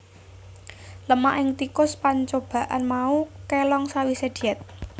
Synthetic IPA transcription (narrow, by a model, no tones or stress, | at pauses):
ləma̰ʔɪŋt̪ikʊspaɲt͡ʃob̥a̤ʔa̰nmaukelɔŋsawised̪̥iɛt̪̚